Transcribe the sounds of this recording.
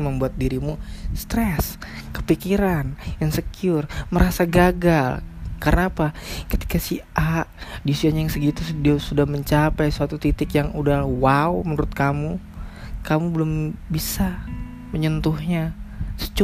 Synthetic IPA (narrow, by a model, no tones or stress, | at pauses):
məmbuat̪̚diɾimust̪ɾɛskə̥pikiɾanjaŋsəkiʊrməɾasaɡaɡalkaɾənaːpakət̪i̥kasiaʔdisiaɲajaŋsəɡit̪udiasudahməɲt͡ʃapajsuat̪ut̪it̪ɪkjaŋudahwaumənuɾʊt̪̚kamu | kamubəlʊmbisa | məɲənt̪ʊhɲasə̥t͡ʃ